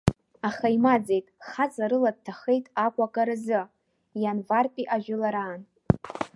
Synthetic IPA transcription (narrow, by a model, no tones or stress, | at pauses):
aχaimad͡zejtʼχazaɾɨlad̚tʰaχejtʼakʷʼakʼaɾɨzɨ | janvarpʼiʔaʒᶣʊlaɾaːn